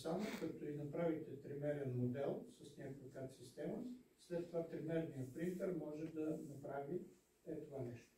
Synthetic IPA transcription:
samokɐt̪oinɐpɾavit̪ɛt̪ɾimɛɾɛnmod̪ɛlˠsɐsnʲakojkat̪sist̪ɛməslɛt̪ːovat̪ɾimɛɾnijəpɾint̪ɛɾmɔʒɛd̪ɐnɐpɾavi | ɛt̪ovanɛʃt̪o̥

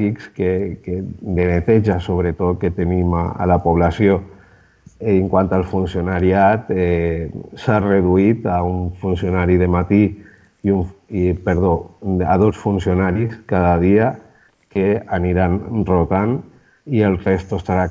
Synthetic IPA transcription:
ikskeked̪enet̪eʒasoβɾet̪ot̪̚ket̪enimaa̰lapuβ̞lasjo | ŋkwant̪alˠfunsionaɾiat̪e | sareðuit̪auɱfunsionaɾiðemat̪i | iunpeɾðoa̰ðosfunsionaɾiskaðaðia | keaniɾanrot̪an | ielˠrest̪oest̪aɾa

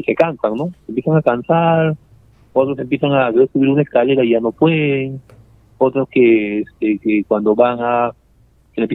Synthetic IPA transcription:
sekansaŋnosempjesaŋakansaɾ | o̞t̪ɾos̬empjesaŋareɾsuβiɾunaeskaleɾaiʝanopweðeŋ | ot̪ɾoskeest̪ekekwand̪o̞βaŋa | kelepj

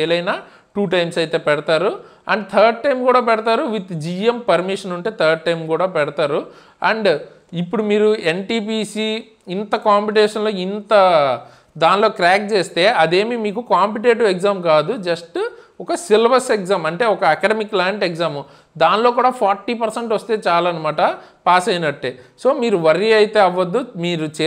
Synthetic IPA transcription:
eːlɐjnaː | ʈuːʈ̬ɐjmsɐjt̪e̞ːpɛɽɐt̪aːɾu | ɐ̰ɳɖt̪ʰɐːɾɖ̚ʈɐjmkuːɽaːpɛɽɐt̪aːɾuʋit̪d͡ʒiempɐɾmiʂɐnuɳʈe̞ːt̪ʰɐːɾɖ̚ʈɐjmkuːɽaːpɛɽɐt̪aːɾu | ɐɳɖ | ipːuɽumiːɾuenʈiːpiːsiː | int̪ɐkaːmpiʈɛːʂɐnlo̞ːint̪ɐ | d̪aːnlo̞ːkɾaːk̚t͡ʃeːst̪e̞ːʔɐd̪e̞ːmimiːkukaːmpiʈ̬eːʈuʋekzaːmkaːd̪ud͡ʒɐsʈ | ɔkɐsilʋɐɾsekzaːmɐɳʈe̞ːɔkɐɐkɐɖemikːlaːɳʈekzaːm | d̪aːnlo̞ːk̬uːɽaːpʰaːɾʈːiːpɐɾseɳʈʋɐst̪e̞ːt͡ʃaːlaɐnɐmaːʈɐpaːsɐjnɐʈːeːso̞ːmiːɾuʋɐɾiɐjt̪e̞ːɐʋːɐd̪ːumiːɾut͡ʃː

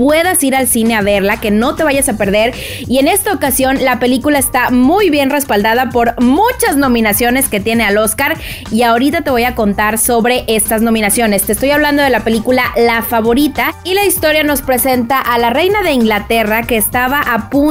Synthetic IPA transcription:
pwe̞ðasiɾalsine̞aβe̞ɾlake̞no̞t̪e̞β̞aʝasape̞ɾðe̞ɾ | ie̞ne̞st̪aokasjo̞nlape̞likulaest̪amujβje̞nre̞spald̪aðapo̞ɾmut͡ʃazno̞mĩnasjo̞ne̞ske̞t̪je̞ne̞alo̞skaɾiao̞ɾit̪at̪e̞βo̞jako̞nt̪aɾso̞βɾe̞ʔe̞st̪azno̞mĩnasjo̞ne̞st̪est̪o̞jaβland̪o̞ð̞e̞lape̞likulalafaβo̞ɾit̪ailaist̪o̞ɾjano̞spɾe̞se̞nt̪aʔalare̞jnaðe̞iŋɡlat̪e̞rake̞ːst̪aβaʔapu

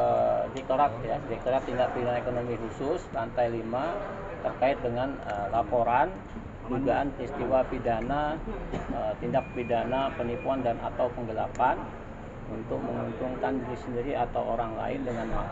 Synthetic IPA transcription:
ədɛk̚t̪oɾat̪̚jadik̚t̪oɾat̪ːindak̚pidanaekonomiɦusʊstant̪ajlima | t̪ərkaɪt̪̚dəŋanəlapoɾan | duɡaːnpəɾist̪iwapidana | ət̪indak̚pidanapənipuandanat̪awpəŋɡəlapan | unt̪ʊk̚məŋunt̪uŋkandiɾisəndiɾiat̪awoɾaŋla̰ɪndəŋanma

